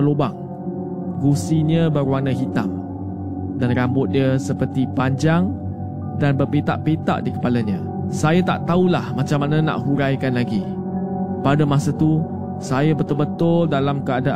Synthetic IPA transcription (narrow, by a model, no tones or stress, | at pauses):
əlobaŋ | ɡusiɲə̃bəɾwanəɦit̪a̰m | danrambʊt̪̚diəsəpərt̪ipaɲd͡ʒaŋ | danbərpet̪a̰ʔpet̪a̰ʔdikə̥palaɲə̃ | sajat̪a̰ʔt̪aulahmãt͡ʃamːanə̃na̰ʔɦuɾajkanlaɡi | padəmasət̪u | sajabət̪ʊlbət̪ʊldalamkəada